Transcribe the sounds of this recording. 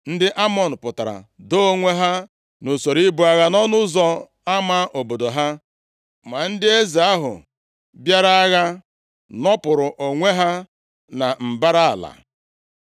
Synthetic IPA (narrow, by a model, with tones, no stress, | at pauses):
n̩˦dɪ˦ʔa˦mɔ˨n̩˨pʊ˨ta˨ɾa̰˨do˦o˦ŋʷe˦ɦa˦ | no˨so˨ɾi˦bʊ˨a˨ɣa˦nɔ˦nʊ˦zɔ˦ | a˦ma˦ʔo˨bo˨do˨ɦa˦ | ma˨n̩˦dɪ˦e˦ze˨a˦ɦʊ̰˨ | bja˦ɾa˦a˦ɣa˦ | nɔ˦pʊ˨ɾʊ˨ʔo˨ŋʷe˦ɦa˦ | na˨m̩˨ba˦ɾa˦a˨la̰˨